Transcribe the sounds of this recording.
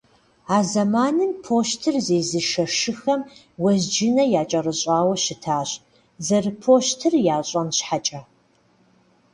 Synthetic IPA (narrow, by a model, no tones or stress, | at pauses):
aːzɐmaːnɨmpʰoːʃtʰɨrzeːzɨʃɐʂɨxɐm | wɐʑd͡ʒɪnɐjaːt͡ʃʼɐrɨɕʼaːwɐɕɪtʰaːɕ | zɐrɨpʰoːɕtʰɨrjaːɕʼɐnɕħat͡ʃʼɐ